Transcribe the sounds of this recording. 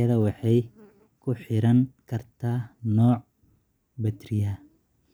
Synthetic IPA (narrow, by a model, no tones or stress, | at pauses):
ɐðɐwɑħɑj | kʰʊħɪɾɐŋkʰɐrt̪ʰaːnɔːʕ | bɐt̪rɪjɐ